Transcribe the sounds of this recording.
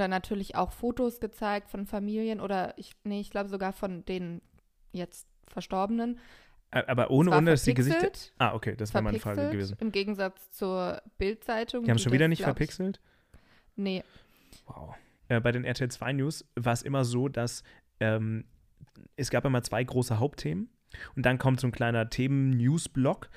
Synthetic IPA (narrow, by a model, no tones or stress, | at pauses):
danatʰyːɐlɪçʔa̰ʊxfoːtosɡ̥ət͡saɪk̚tfɔnfamiːljənʔoːdɐʔɪçnəɪçɡ̥laʊbəzoɡaːɐfɔndeːn | jɛt͡st | fɛɐʃtɔɐbənən | ʔʔaːbɐ̰ʔoːnəʔoːnədasdiɡəzɪtʔaːʔokʰḛːd̥asɛɐmaɪɪəfʁ̥aːɡ̩ɡəveːzn̩ɪmɡeːɡŋ̩zat͡st͡suːɐb̥ɪlt̚t͡saɪtʰʊŋdiːhabmsoːnviːdɐnɪçtffɛɐpʰɪksl̩t | nə | wa̰ʊ | ʔɛːbaɪɾeːnʔɛ̰ɐtʰeɛlt͡sv̥a̰ɪnjuːsvaːɐɛsʔɪ̰mɐzoːdas | ʔɛːm | ɛsɡ̥aːpʔɪmaːlt͡sv̥aɪɡʁoːsəɦaʊp̚tʰːeːmən | ʔʊnt̚d̥ankʰɔmtz̥oːnkʰl̥aɪnɐtʰeːmənnjuːsb̥lɔk